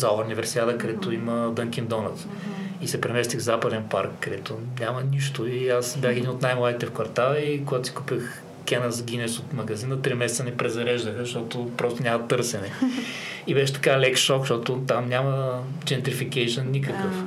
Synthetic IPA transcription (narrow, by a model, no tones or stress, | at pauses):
zaɾnʲivɛɾsiad̪əkɐd̪ɛt̪ʊiməd̪ɤŋk̟ʲind̪ɔnət̪s | isɛpɾɛmɛst̪iɣvzapɐd̪ɛnpa̰ɾkːɐd̪ɛt̪ʊnʲamɐnʲiʃt̪ʊiasbjaxɛd̪inot̪najmlˠad̪it̪ɛfkvɐɾt̪alˠɐikoɡat̪ʊ̥si̥kupʲəx | kʲɛnəzɡʲinɛsot̪mɐɡɐzinət̪ɾimɛsɛt̪sənɛpɾɛzɐɾɛʒd̪əxəʃt̪ɔt̪ʊpɾɔst̪ʊnʲamɐət̪ɤɾsɛnɛ | ibɛʃɛ̥t̪ɐ̥kalɛkʃɔkʃt̪ɔt̪ʊt̪amnʲamə | t͡ʃɛnt̪ɾifikɛʃənːʲik̬əkəf